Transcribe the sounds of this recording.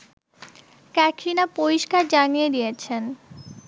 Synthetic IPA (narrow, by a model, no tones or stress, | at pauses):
kɛkʰinapoɾiʃkaɾd͡ʑanied̪ijet͡ɕʰen